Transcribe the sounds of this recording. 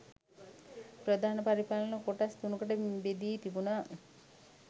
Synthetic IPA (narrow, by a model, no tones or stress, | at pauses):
pɾəd̪aːnəpaɾipalənəkoʈast̪unukəʈəbed̪iːt̪ibunaː